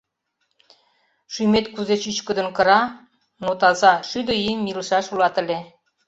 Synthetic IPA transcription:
ʃymet̪kuzet͡ɕyt͡ɕkə̆d̪ə̆nkɤ̆ɾɑ | not̪ɑzɑʃyd̪ə̆imilʃɑʃulɑt̪ə̆lʲe

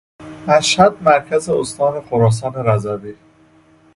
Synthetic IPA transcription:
mæʃhæd̪̚mæɾcʰæzeost̪ʰɒːnexoɾɒːs̬ɒːneɾæzæbi

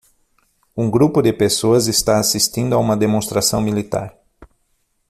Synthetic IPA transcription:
ũɡɾupʊd̪ɪpesoɐzest̪aasist̪ĩnd̪ʊaũmɐd̪emõst̪ɾasɐ̃w̃milit̪a̰ɾ

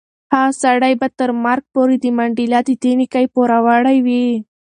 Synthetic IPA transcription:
hasaɽajbat̪əɾmaɾɡ̚poɾid̪əmaɳɖilɑd̪it̪enikajpoɾawaɽajwi

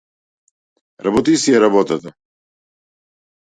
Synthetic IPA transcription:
ɾabɔt̪isiɛɾabɔt̪at̪a

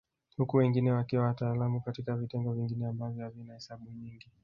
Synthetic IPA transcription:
hukuwɛŋɡinɛwakiwawataːlamukatikavitɛŋɡɔviŋɡinɛambavjɔhavinahɛsaɓuɲiŋɡi

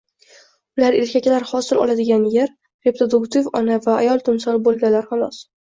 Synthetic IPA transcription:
ʊlaɾeɾkʲakʲlaɾhɒsɪlɒ̰lˠad̪ɪɡʲanjeɾ | ɾe̞pɾod̪ʊkt̪ivɒnavaːjɒlˠt̪ʰʊmsɒlbolˠɡʲalaɾhanɒs

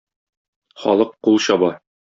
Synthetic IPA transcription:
χɒ̰lˠɤqːulˠɕɒbɑ

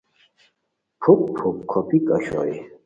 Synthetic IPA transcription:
pʰukpʰupkʰɔpʰʼikʼəʃɔ̰i

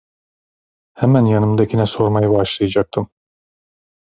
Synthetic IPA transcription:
hɛmænjɑnɯmd̪acʰʲinɛso̞ɾmajɯbaʃlˠɯjad͡ʒak̚t̪ʰɯm

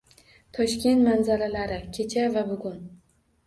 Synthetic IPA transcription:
t̪ʰɒʃkʲe̞nt̪manzaɾalaɾɪkʲʰe̞t͡ʃʰavabʊɡʊn

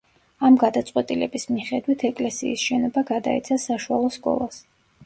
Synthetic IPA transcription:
amɡad̪at̪sʼqʼwɛt̪ʼilɛbismiχɛd̪wit̪ʰɛkʼlɛsḭːsʃɛnɔbaɡad̪a̰ḭt̪sʰasaʃualˠɔskʼɔ̰lˠas

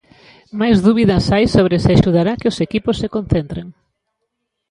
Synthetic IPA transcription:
majzðuβiðɐsajsoβ̞ɾesɪaʃuðaɾakɪʊsekipʊsːekonθent̪ɾeŋ

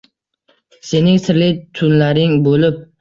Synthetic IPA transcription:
se̞nɪŋsɪɾlɪt̪ʰʊnlaɾɪŋbolɪp̚

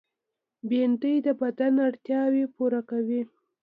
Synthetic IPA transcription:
bent̪əjd̪əbad̪anaɽt̪jɑwepuɾakawi

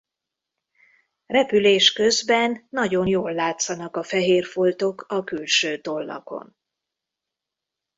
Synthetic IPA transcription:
rɛpyleːʃkø̞zbɛnːɒɟo̞njoːlːaːt̪sɒnɒkɒfɛɦeːrfo̞lt̪o̞kʰɒkylʃøːt̪o̞lːɒ̰ko̞̰n

